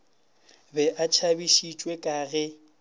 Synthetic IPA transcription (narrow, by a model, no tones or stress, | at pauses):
bɛʔat͡ʃʰabiʃit͡ʃʼwekʼaːɣɛ